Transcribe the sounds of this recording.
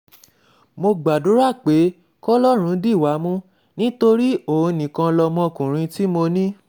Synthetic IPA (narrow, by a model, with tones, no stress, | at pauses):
mo˧ɡ͡ba˨du˨˦ɾa˦˨k͡pe˨˦ | kɔ˦lɔ˦ɾ̃ũ˨˦di˦˨wa˨˦mũ˦ | nĩ˦to˧ɾi˦o˦˨ũ˧nĩ˨kã˧lɔ˧mɔ̃˦˨kũ˨ɾ̃ĩ˧ti˦mo˧nĩ˦